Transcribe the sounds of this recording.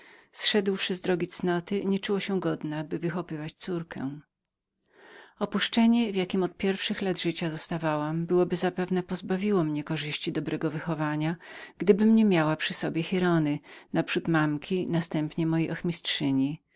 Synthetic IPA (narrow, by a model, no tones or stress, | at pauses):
sʂɛd̪wʂɘzd̪ɾɔɡʲit̪snɔt̪ɘɲɛt͡ʂuwɔɕɛɡɔd̪nɛbɘvɘxɔpɘvat͡ɕt̪suɾkɛ̰̃w̃ | ɔpuʂt͡ʂɛɲɛvʲjakʲimɔt̪̚pʲjɛɾfʂɘxlad̪ʐɘt͡ɕazɔst̪avawambɘwɔbɘzapɛvnɛpɔzbavʲiwɔmɲɛkɔʐɘɕt͡ɕid̪ɔbɾʔɛɡɔvɘxɔvaɲaɡ̥d̪ɘbɘmɲɛmʲjawapʂɘsɔbʲjɛxʲiɾɔnɘnapʂut̪mamkʲinast̪ɛmpɲɛmɔjejʔɔxmʲistʂɘɲi